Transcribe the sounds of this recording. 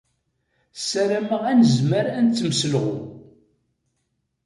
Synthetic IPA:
sæɾæməʁænəzməɾænt͡s̪t͡sːəmsəlʁʊ

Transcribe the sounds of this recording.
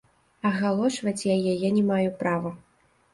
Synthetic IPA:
ɐɣalˠɔʂvɐt͡sʲjajajɛnʲɛmajupɾavɐ

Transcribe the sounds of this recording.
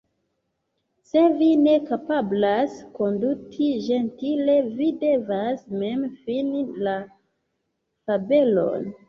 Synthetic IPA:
se̞vine̞kapablasko̞ndutʰiʒe̞ntile̞videvasme̞mfinila | fabe̞lo̞̰n

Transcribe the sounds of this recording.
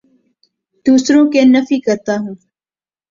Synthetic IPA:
d̪̥uːsɾõːkenɐfiːkɐɾt̪aːɦũː

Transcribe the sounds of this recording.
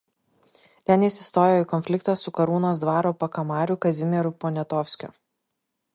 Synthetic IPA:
t̪ʲɛnjɪsʲɪst̪oːjoːikɔnʲfʲlʲɪkt̪ɐsʊkɐɾuːnoːs̬d̪ʋɑːɾoːpɐkɐmɑːɾʲʊkɐzʲɪmʲɛɾʊpɔnʲɛt̪ɔfʲsʲkʲʊ̰

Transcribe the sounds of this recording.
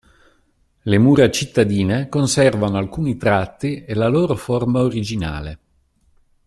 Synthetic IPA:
lemuːɾat͡ʃit̪ːad̪iːnekonsɛrvanoalkuːnit̪ɾat̪ːielaloːɾoformaoɾid͡ʒina̰ːle

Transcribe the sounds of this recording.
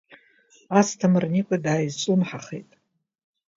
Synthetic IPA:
astʰamɨrnikʷʼadaːjzt͡ʃʷʼumħaχejtʼ

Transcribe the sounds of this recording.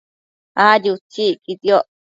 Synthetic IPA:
ajut͡ʃikit̪io

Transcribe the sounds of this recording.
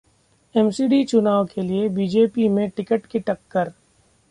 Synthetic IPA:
ɛmsiːɖit͡ʃʊnaːʋokʰeliebiːd͡ʒeːpimẽʈɪkəʈkiʈɐkːəɾ

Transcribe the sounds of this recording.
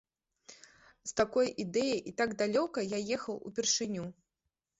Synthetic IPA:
st̪akɔjʔid̪ɛjɐjʔit̪aɡd̪alʲɔkɐjajɛxɐwṵpʲɛrʂɨnʲu

